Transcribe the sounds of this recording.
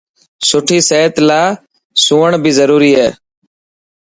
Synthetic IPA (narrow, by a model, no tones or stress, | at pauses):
sʊʈʰiːseːt̪laː | sũːəɳbʱiːzəɾuːɾiːɦɛː